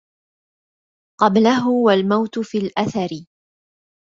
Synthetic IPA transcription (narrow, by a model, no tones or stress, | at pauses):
qɑblaɦʊwalmawt̪ʊfiːlʔaθaɾɪ